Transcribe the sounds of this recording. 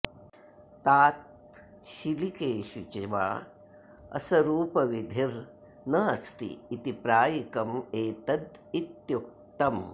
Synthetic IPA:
t̪aːt̪̚ | ʃilikeːʃut͡ʃeʋa̰ː | ɐ̰sɐɾuːpɐʋid̪ʱiɾ | nɐɐst̪ḭːt̪ipɾaːjikɐmeːt̪ɐd̪it̪juk̚t̪ɐm

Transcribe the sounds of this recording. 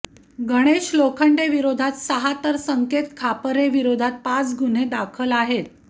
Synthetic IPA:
ɡəɽ̃eɕlokʰəɳɖeʋiɾod̪ʱat̪səɦat̪əɾsəŋket̪kʰapəɾeʋiɾod̪ʱat̪̚pat͡sɡun̤ed̪akʰəlaɦet̪

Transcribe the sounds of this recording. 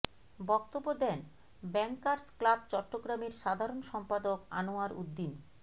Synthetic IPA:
bɔk̚t̪obːod̪ɛn | bɛŋkːaɾsklab̚t͡ɕɔʈːoɡɾameɾʃad̪ʱaɾonʃɔmpad̪oka̰noaɾṵd̪ːin

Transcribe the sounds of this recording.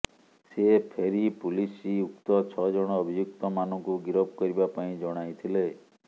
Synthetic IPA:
sepʰeɾipulisiukt̪ɔt͡ʃʰɔd͡ʒɔɽ̃ɔːbʱijuk̚t̪ɔmanɔ̃ŋkuɡiɾɔb̚kɔɾibapaĩd͡ʒɔɽ̃ajt̪ʰile

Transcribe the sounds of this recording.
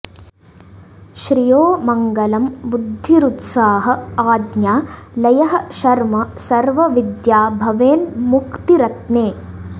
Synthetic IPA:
ʃɾijoːmɐŋɡɐlɐmbud̪ʱːiɾut̪saːɦɐ̆aːd̪njaːlɐjɐɦɐ̆ʃɐɾmɐsɐɾʋɐʋid̪jaːbʱɐʋeːnmukt̪iɾɐt̪neː

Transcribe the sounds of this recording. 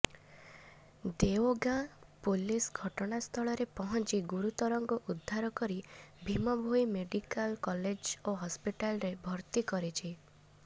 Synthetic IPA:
d̪eoɡãpulisɡʱɔʈɔɽ̃ast̪ʰɔɭɔɾepɔɦɔnt͡ʃiɡuɾut̪ɔɾɔŋkɔʔud̪ʱːaɾɔkɔɾibʱimɔbʱojmeɖikalkɔled͡ʒoɦɔspiʈalɾebʱɔɾt̪ikɔɾit͡ʃʰi

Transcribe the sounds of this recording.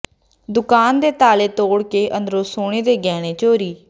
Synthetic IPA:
d̪ʊkaːnd̪eːt̪aːleːt̪oːɽkeːʔənd̪ɾoːsoːɽ̃eːd̪eːɡɛːɽ̃eːt͡ʃoːɾiː

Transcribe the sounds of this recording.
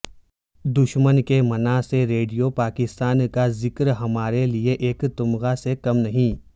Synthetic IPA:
d̪ʊʃmənkemɐnaseɾeːɖijopaːkɪst̪aːnkazɪkɾɦɐmaːɾelieʔeːkt̪ʊmɣasekɐmnɐɦĩː

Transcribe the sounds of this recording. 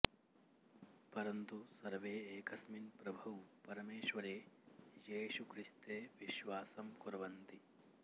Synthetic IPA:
pɐɾɐnt̪usɐɾʋeːeːkɐsminpɾɐbʱɐʋpɐɾɐmeːʃʋɐɾeːjeːʃukɾist̪eːʋiʃʋaːsɐmkuɾɐʋɐnt̪i

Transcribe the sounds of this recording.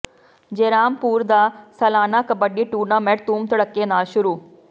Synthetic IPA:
d͡ʒeːɾaːmpuːɾd̪aːsɐlaːnaːkɐbəɖːiːʈuːɾnaːmeʈ̚t̪uːmt̪ɐɽəkːeːnaːlʃʊɾuː

